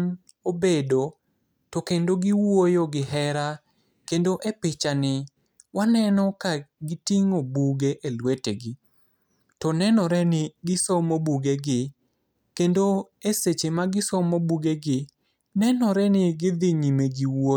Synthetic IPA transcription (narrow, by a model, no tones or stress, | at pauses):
n | obedo | tɔkendoɡɪwojoɡɪhɛɾa | kendoʔepɪt͡ʃanɪ | wanɛnɔkaɡɪtiŋobuɡeʔelweteɡɪ | tɔnɛnɔɾɛnɪɡɪsomobuɡeɡɪ | kendo | eset͡ʃemaɡɪsɔmobuɡeɡɪ | nɛnɔɾɛnɪɡɪd̪ɪɲimeɡɪwo